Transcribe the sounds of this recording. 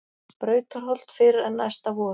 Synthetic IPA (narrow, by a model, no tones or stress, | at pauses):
pɾœːɥt̪ʏɾ̥ɦɔl̥t̪fɪɾɪɾɛnːa̰jst̪avɔː